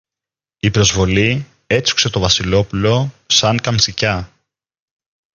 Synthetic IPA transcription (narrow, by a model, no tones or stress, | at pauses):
ipɾo̞zvo̞li | e̞t͡su̥kse̞t̪o̞vɐsilo̞pulo̞sɐŋkɐmsicɐ